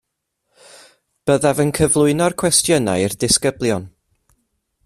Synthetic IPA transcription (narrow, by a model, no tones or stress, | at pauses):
b̥əðavənkʰəvlˠʊɨnɔrkʰwɛstjəna̰jrdɪskəblˠjɔn